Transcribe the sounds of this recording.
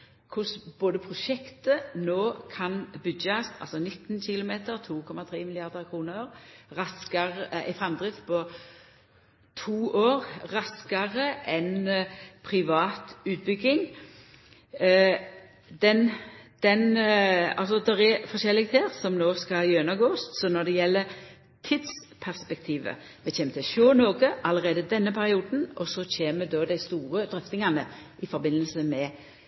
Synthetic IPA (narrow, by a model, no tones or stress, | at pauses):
kʰʊsb̥oːd̪əpʰʁʊʃɛkt̪ənoːkʰɑnbʏdɑsɑ̰lsɔnɪt̪ːnçɪlʊmeːt̪əɾt̪ʰuːkʰɔmɑt̪ʰɾeːmɪlɪɑʁd̪əʁkʰʁuːnəɑʁʁɑskɑʁəæ̰ɪfʁɑmd̪ʁɪfpʰɔ | t̪ʰuːʔoːʁʁɑskɑʁəʔɛnpʰɾɪʋɑːt̪ʉːt̪̚bʏɡːɪŋ | d̪ɛnd̪̥ɛnɑ̰lsɔd̪ɛɾɛfɔʃɛlːɪɡt̪ʰeːɾsɔmnoːskɑjøːnɑɡoːssɔnɔd̪ɛjɛlːə | t̪ʰid̪s | pʰæʁspɛk̚t̪ʰiːʋə̰ | ʋɛçeːmət̪ʰɪʃøːnoːɡəʔɑləʁeːd̪əd̪ɛnːəpʰæɾɪuːd̪n̩ɔsɔçʰeːəd̪ɔd̪æɪst̪uːʁəd̪ɾœft̪ɪŋɑnəʔɪfɔɾbɪnːəlsəmɛ